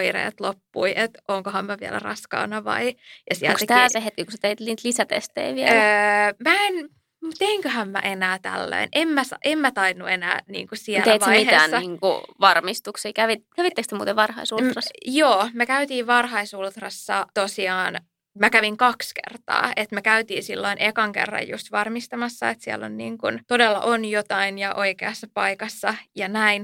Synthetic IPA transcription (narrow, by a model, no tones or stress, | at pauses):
oirḛːt̪lopːuiʔet̪ʔoŋkohɑmmæʋiæ̰læ̰rɑskɑ̰ːnːɑʋɑ̰ijɑsiæ̰ltkset̪æːt̪eɦet̪̚kikuset̪eit̪liːnt̪lisæt̪ḛst̪ḛːʋiælmæen | mut̪eŋkøɦæmmæ̰ʔenæːt̪æ̰lːø̰inʔemmæsɑʔemmæt̪ɑinːuenæ̰ːnḭːŋkusiæleitʋɑsemiteːæːnsːɑiːŋkṵʋɑrmist̪uksiːkæʋit̪kæʋit̪ːekst̪emuːt̪eʋʋɑrhɑisut̪rɑsjoːmekæyt̪iːʋʋɑrɦɑisult̪rɑsːɑ̰t̪osiɑːn | mækæʋiŋkɑkskḛrt̪ɑ̰ːet̪mekæyt̪iːsilːoinʔekɑŋkḛrːɑ̰jjṵst̪ʋɑrmist̪ɑmɑsːɑet̪siɛ̰lːo̰nnḭːŋkunt̪odelːɑ̰ʔonjot̪ɑinjɑʔo̞ikeɑsːɑpɑikɑsːɑjɑnæin